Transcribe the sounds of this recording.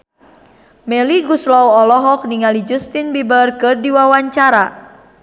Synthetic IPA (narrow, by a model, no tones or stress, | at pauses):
mɛliɡuslɔwɔlɔɦɔk̚niŋalid͡ʒust̪inbibərkɨrdiwawaɲt͡ʃaɾa